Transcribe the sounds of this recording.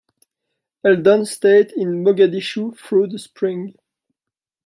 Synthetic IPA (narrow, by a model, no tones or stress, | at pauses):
ɛld̪ɔ̃nsteɪtɪ̃nmɔɡad̪iʃufɹud̪əspʰɹɪ̃ŋ